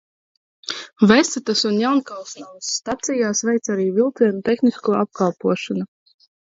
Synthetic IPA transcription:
vɛsat̪asunjawnkalˠsnawsːt̪at̪sijaːsvɛjt̪saɾiːvilˠt̪siɛnut̪ʲexniskuɔap̚kɑlˠpuɔʃɔnu

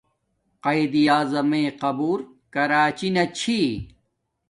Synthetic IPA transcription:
qɐid̪ijaːzɐmẽːqɐbuːɾ | kɐɾaːt͡ɕinɐt͡ɕʰi

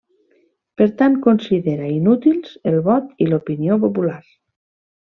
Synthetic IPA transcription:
peɾt̪ankonsiðeɾainut̪ilˠz̥elˠβɔt̪ilopiniopopulaɾ

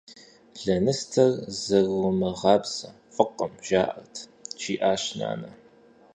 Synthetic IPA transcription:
ɮɐnɨstʰɐrzɨɣʊmɨʁɑːbsɐ̰ | fʼɨqʼɐmʒ̥aːʔɐ̰rtʰt͡ʃʰiːʔaːɕna̰ːnɐ

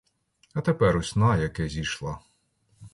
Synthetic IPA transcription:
ɐt̪epɛɾɔsʲnɑjɐkɛzʲiʃlˠɑ

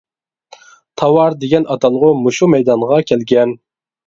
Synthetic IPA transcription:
t̪ʰɑwɑɾd̪eɡʲɛnʔɑt̪ʰɑlˠəʁʊmuʃumɛjd̪ɑɴʁɑkʲʰɛlɡʲɛn

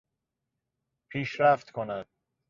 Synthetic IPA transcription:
pʰiːʃɾæft̪kʰonæd̪̥̚

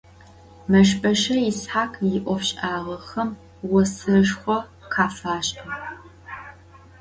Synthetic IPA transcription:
mɐʃpʰʼɐʃɐjɪsħaːkʰjɪʔʷɔfɕʼaːʁɐxɐm | wɔsɨʃxʷɔ | qʰaːfaːɕʼɐ

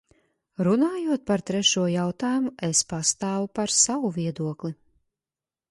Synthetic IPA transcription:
ɾunaːjuɔt̪̚paɾt̪ɾɛʃuɔjawt̪aːjumuespast̪aːvupaɾsawuvʲiɛd̪uɔkli

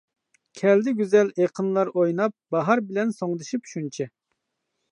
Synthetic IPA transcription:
kʲʰɛld̪ɪɡʲyzɛleqʰənlˠɑɾojnɑp̚bɑɦɑɾbɪlɛnsoŋd̪ɨʃipʃunt͡ʃʰɛ

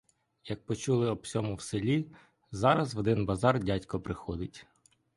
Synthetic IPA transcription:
jɐk̚pɔt͡ʃulˠɪɔbsʲɔmʊwselʲi | zɑɾɐzʋɔd̪ɪnbɐzɑrdʲatʲkɔpɾɪxɔd̪ɪtʲ

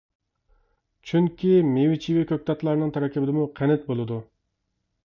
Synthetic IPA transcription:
t͡ʃʰyŋkʲʰimewɪt͡ʃʰiwikʲʰøk̚ʲt̪ɑt̪lˠɑɾnɨŋt̪ʰɛɾɛkʲɪbɪd̪ɪmuqʰɛnɛt̪̚bolˠɨd̪u

